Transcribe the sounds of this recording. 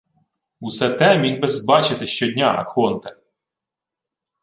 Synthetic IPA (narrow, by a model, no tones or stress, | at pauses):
usɛt̪ɛmʲiɣbɛzbɑt͡ʃɪt̪ɪʃt͡ʃɔdʲnʲaɐ̰xɔnt̪ɐ